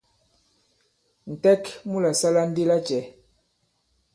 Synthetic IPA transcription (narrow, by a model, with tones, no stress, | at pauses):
n̩˨tɛ˦kmu˦la˨sa˦la˦n̩˦di˦la˦t͡ʃɛ˨